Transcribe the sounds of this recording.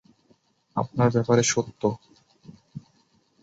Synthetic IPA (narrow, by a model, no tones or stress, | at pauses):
a̰p̚naɾbɛpaɾeʃot̪ːo